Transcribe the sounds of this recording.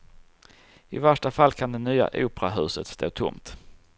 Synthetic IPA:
ɪvæʂʈafalːkʰand̪ɛnyːa̰ʔṵːpɾaɦʉ̟ːsət̪st̪ʰo̰ːt̪ʰʊ̰mt̪

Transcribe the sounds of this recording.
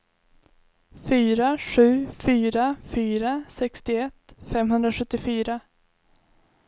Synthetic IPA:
fyːɾaɧʉ̟ːfyːɾafyːɾasɛkst̪ɪɛt̪ːfɛmɦɵnd̪ɾaɧɵt̪ːɪfyːɾa

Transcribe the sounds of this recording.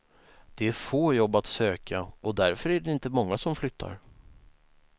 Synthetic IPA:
d̪̥ɛæɾfoːjɔbːat̪søːkʰaʔɔd̪æɾfœɾæɖɛɪnt̪əmɔŋːasɔmflʏt̪ʰːa̰ɾ

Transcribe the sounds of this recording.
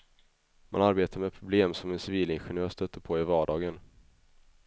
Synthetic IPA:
ma̰naɾbeːt̪ʰaɾmɛpʰɾʊbleːmsɔmɛnsɪviːlɪnɧɛnɪœːʂt̪œt̪ːəɾpʰɔɪvɑːɖɑːɡən

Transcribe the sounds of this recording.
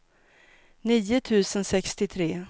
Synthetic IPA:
niːʊt̪ʰʉ̟ːsənsɛkst̪ɪt̪ʰɾeː

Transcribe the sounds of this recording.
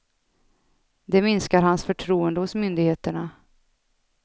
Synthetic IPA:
d̪ɛmɪnskaɾhansfœʈʰɾuːənd̪əhʊsmʏnd̪ɪɡheːt̪əɳa

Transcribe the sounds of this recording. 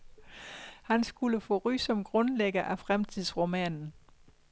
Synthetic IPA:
hænsɡ̥uləfɔ̰̽ːʁy̰ːsɒ̽mɡ̥ʁɔ̽nleɡ̥ɐʔæfʁamt͡sʰið̰ˠsʁomɛ̰ːnn̩

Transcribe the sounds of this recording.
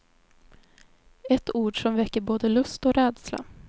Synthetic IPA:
ɛt̪uːɖʂɔmvɛkːəɾboːd̪əlɵst̪ɔɾɛːd̪sla̰

